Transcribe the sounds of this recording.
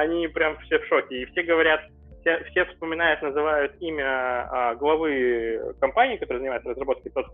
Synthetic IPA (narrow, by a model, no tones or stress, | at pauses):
ɐnʲipɾʲamfsʲefʂokʲɪːfsʲeɡəvɐɾʲat̪ | fsʲefsʲe̞fspəmʲɪnajʊt̪nəzɨvajʊt̪imʲəəɡlˠɐvɨkɐmpanʲɪiːkɐt̪oəzənʲɪaɪt̪sərəzrɐbo̞t̪̚kʲɪt̪ot̪